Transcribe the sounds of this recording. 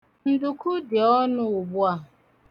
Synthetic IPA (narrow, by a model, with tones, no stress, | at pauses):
n̩˨dʊ˨kʊ˦dɪ˨ɔ˦nʊ˦ʊ˨bʊ˦a˨